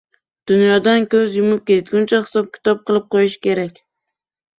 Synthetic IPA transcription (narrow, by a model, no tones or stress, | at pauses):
d̪̥ʊnjɒd̪ankʲɵzjʊmɪp̚kʲe̞t̪ɡʲʊnt͡ʃʰahɪ̥sɒp̚kʲʰɪ̥t̪ʰɒp̚qɨlˠɪp̚qʰojɪʃkʲe̞ɾakʲ